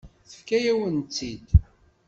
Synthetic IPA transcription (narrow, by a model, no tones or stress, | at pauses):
θə̥fkæjæwənt͡sːid̪